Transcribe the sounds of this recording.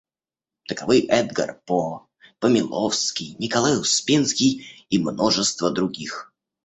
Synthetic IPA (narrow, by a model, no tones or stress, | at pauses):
t̪əkɐvɨjʔɛd̪ɡə̰rpo | pəmʲɪlˠofskʲɪjnʲɪkɐlˠajʊspʲinskʲɪjimnoʐɨst̪vəd̪ɾʊɡʲix